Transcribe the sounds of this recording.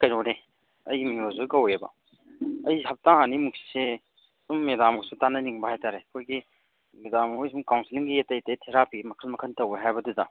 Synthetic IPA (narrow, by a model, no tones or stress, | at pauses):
kɐjnone | ɐjmiŋozoɡɐwebɐ̰ | ɐjɦɐp̚taŋanimuk̚si̥se | sumːedamɡosutanɐniŋbɐhajtaɾekʰojɡi | medamkʰojsumkawnsʰiliŋɡietɐjtɐjtʰeɾapimɐkʰəlmɐkʰəntɐweɦajbɐduda